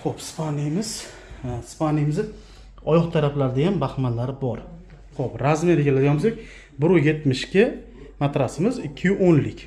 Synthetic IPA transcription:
χopspʰanijmɪz̥ | spanːijmɪzɪ | ɒjɒχt̪ʰaɾaplaɾɪd̪ajambahmanlaɾɪbɒɾ | χopɾazmeɾekʲʰelad̪ɪɡʲanmɪzd̪ek̚ʲ | bʊɾʊje̞t̪mɪʃkʲɪ | mat̪ɾasɪmɪzɪkʲʰːɪjʊʔonlɪkʲ

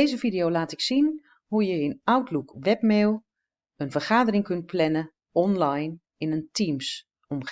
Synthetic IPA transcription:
ejzəfidiowlaːtɪksin | hujəənawtlukʋɛpmeːlˠ | ənfərχaːdərɪŋkɵnt̚pʰlɛnə | ɔnlajn | ɪnəntʰims | ɔmχ

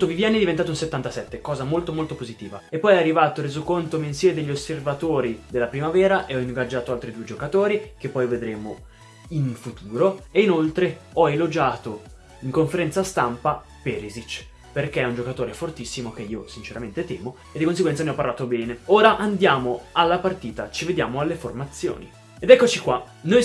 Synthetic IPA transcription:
ut̪ːovivjanːiɛd̪ivent̪aːt̪unset̪ːant̪asɛt̪ːekɔːzamolt̪omolt̪opozit̪iːvaepːɔjɛarːivaːt̪orɾeːzokont̪ominsjɛːmed̪eʎːoservat̪oːɾid̪elːapɾimavɛːɾaʔeɔiŋɡad͡ʒːaːt̪oalt̪ɾid̪ued͡ʒokat̪oːɾikepːɔjved̪ɾeːmo | infut̪ʰuːɾoeinolt̪ɾeɔelod͡ʒaːt̪o | iŋkoɱfeɾɛnt̪sast̪ampa | peːɾizit͡ʃː | perk̟eɛund͡ʒokat̪oːɾefort̪isːimok̟eiːosint͡ʃeɾament̪et̪ɛːmo | ed̪ikons̬eɡwɛnt̪saneɔpːaɾrlaːt̪obɛːneoːɾaʔand̪jaːmoalːapart̪iːt̪at͡ʃived̪ja̰ːmoalːeformat̪sːjo̰ːnḭ | ed̪ɛkːot͡ʃikwa | noj

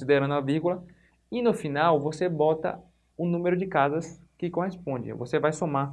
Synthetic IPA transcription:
sid̪eɾɐ̃nd̪ʊaviɾɡulɐ | ɪnʊfinawvosebɔt̪ɐ̰ | ʊnũmeɾʊd͡ʒɪkazɐs | kɪkõhespõd͡ʒɪ̰vosevajsoma

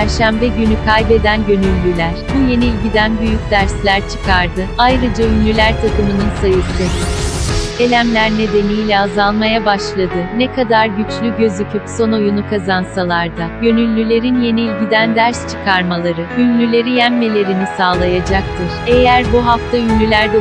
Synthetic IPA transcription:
æɾʃæmbɛɟynykʰajbe̞d̪ænɟø̞nylʲːylʲæɾ̥buje̞niːlʲɟid̪ænbyjycʲd̪æɾslʲæɾt͡ʃʰɯ̥kʰaɾd̪ɯajɾɯd͡ʒaynlʲylʲæɾt̪ʰakɯmɯnɯnsajɯst̪ɯ | e̞lʲæmlʲæɾne̞d̪e̞nijlʲɛazalˠmajabaʃlˠad̪ɯnekʰad̪aɾɟyt͡ʃlʲyɟø̞zycʰypso̞no̞junukʰazansalˠaɾd̪aɟø̞nylʲːylʲe̞ɾinje̞niːlʲɟid̪ænd̪æɾst͡ʃʰɯ̥kʰaɾmalˠaɾɯynlʲylʲe̞ɾijæmːelʲe̞ɾinisaːlˠajad͡ʒak̚t̪ʰɯɾ̥e̞jæɾbuɦaft̪ʰaynlʲylʲæɾd̪ɛ

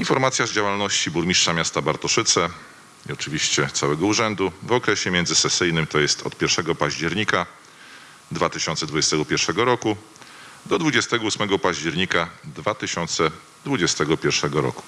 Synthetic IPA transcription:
infɔɾmat̪sʲjazd͡ʑawalnɔɕt͡ɕibuɾmʲiʂʂamʲjast̪abaɾt̪ɔʂɘt̪sɛ | iɔt͡ʂɘvʲiɕt͡ɕɛt̪sawɛɡɔuʐɛnd̪uvɔkɾɛɕɛmʲɛnd̪zɘsɛsɘjnɘmt̪ɔjɛst̪ʰɔ̰t̪̚pʲjɛɾfʂɛɡɔpaʑd͡ʑɛɾɲika | d̪vat̪ɘɕɔnt̪sɛd̪vud͡ʑɛst̪ɛɡɔpʲjɛɾfʂɛɡɔɾɔku | d̪ɔd̪vud͡ʑɛst̪ɛɡɔusmɛɡɔpaʑd͡ʑɛɾɲikad̪vat̪ɘɕɔnt̪sɛ | d̪vud͡ʑɛst̪ɛɡɔpʲjɛɾfʂɛɡɔɾɔ̰ku̥

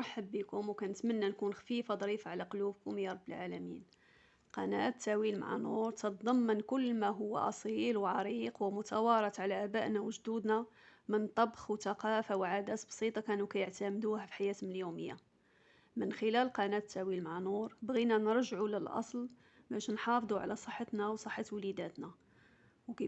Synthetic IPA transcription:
ħəbːikʊmwkænət̪mənːænkunxfifad̪ˤɾifaʕlæqʊlubkʊmjɑɾˤɑbːəlʕalæmḭn | qɑnæt̪ʰːæwilma̰ʕa̰nuɾˤt̪ət̪̚d̪ˤɑmːənkʊlːmæɦʊwːæ̰ʔɑ̰sˤilwʕɑɾiqwmʊt̪æwɑɾˤɑt̪ˤʕalæʔæbæʔnawəʒd̪ud̪næmənt̪ˤɑbxwt̪ɑqɑfawʕad̪æt̪bsˤit̪ˤɑkænukæjəʕt̪æmd̪uhæfi̥ħajæt̪mljuməjːa̰ | mənxəlælqɑnætt̪ːæwilmaʕanuɾˤbɣinænəɾˤʒʕuləlʔɑ̰sˤl | bæʃnħɑfd̪ˤuʕa̰læsˤəħːɑt̪næwsˤəħːət̪wlid̪æt̪næ | wkæ

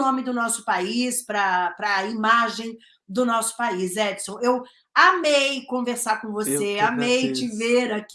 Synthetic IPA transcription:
õmɪd̪ʊnɔsʊ̥paispɾɐpɾɐimaʒẽj̃ | d̪ʊnɔsʊ̥paisɛd͡ʒsõew | amejkõveɾsaɾkõvoseamejt͡ʃɪveɾak

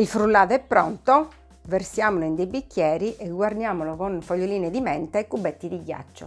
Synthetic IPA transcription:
ilfɾulːaːðɛpːɾɔnt̪ɔ | versjaːmɔloind̪ejbikːjɛːɾiʔɛɡːward̪jaːmɔlɔɣonfoʎːoliːnɛd̪imɛnt̪aɛkːubːɛt̪ːid̪iɡja̰t͡ʃːo̰

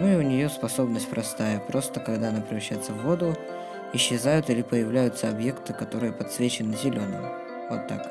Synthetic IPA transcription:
nuɪʊnʲɪjo̞spɐso̞bnəsʲtʲpɾɐst̪ajəpɾo̞st̪əkɐɡd̪aɐnapɾʲɪvɾɐɕːæjɪt̪səvːo̞d̪ʊ | ɪɕːɪzajʊt̪ilʲɪpəjɪvlʲæjʊt̪səɐbje̞kt̪ɨkɐt̪o̞ɾɨjəpɐt̪svʲet͡ɕɪnɨzʲɪlʲo̞nə̰j | vo̞t̪ːa̰k

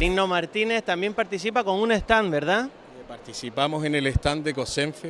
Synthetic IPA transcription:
ɾinomaɾt̪ine̞st̪ambje̞mpaɾt̪isipako̞ŋũnest̪anbe̞ɾða | epaɾt̪isipamo̞se̞neleht̪and̪eko̞sẽɱfe

